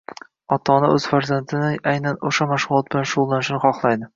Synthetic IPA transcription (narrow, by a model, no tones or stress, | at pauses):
ɒt̪ʰɒnɪʔɵz̥faɾzant̪ʰɪnɪʔajnanoʃamaʃʁʊlˠɒt̪̚bɪlanʃʊʁʊlˠːanɪʃnɪχɒχlˠajd̪ɪ